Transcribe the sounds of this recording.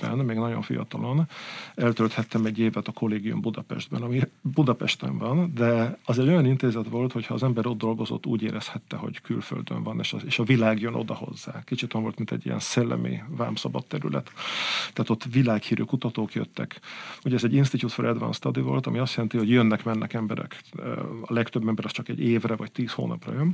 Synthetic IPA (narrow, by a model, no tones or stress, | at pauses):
ɛ̰nmeːɡnɒɟoɱfḭjɒ̰t̪ɒlo̞nɛlt̪ølt̪hɛt̪ːɛmɛɟːeːvɛt̪ɒko̞leːɡijṵmbud̪ɒpɛ̰ʒd̪bɛnɒmibud̪ɒpɛʃt̪ɛ̰ɱvɒnd̪ɛɒzɛɟo̞jɒnint̪eːzɛt̪ʋo̞lt̪ho̞chɒːzɛmbɛɾo̞d̪̚d̪o̞lɡo̞zo̞̰t̪ːṵːɟeːɾɛshɛt̪ːɛɦo̞̰ɟkylfø̰ld̪ø̰ɱvɒneːʃeːʃɒvilaːɡjønʔo̰d̪ɒho̞̰zːa̰ːkit͡ʃit̪ojɑnvo̞lt̪mint̪ɛ̰ɟːḭjɛ̰nsɛlːɛ̰mḭva̰ːmsɒbɒt̪ːɛɾylɛ̰t̪ːɛɦːt̪o̞t̪ːvilaːkhiːɾʔøːkut̪ɒt̪oːkjø̰t̪ːɛkuɟɛɛzɛɟːinst̪it̪ut̪foɾʔɛd̪vɒ̰nst̪ɒd̪ivo̞̰lt̪ɒmiɒst̪jɛlɛnt̪iho̞ɟjønːɛkmɛnːʔɛkɛmbɛɾɛ̰kː | ɒlɛkt̪øbːɛmbɛɾɒst͡ʃɒkɛɟeːvrɛvɒct̪iːsho̰ːnɒprɒ̰jøn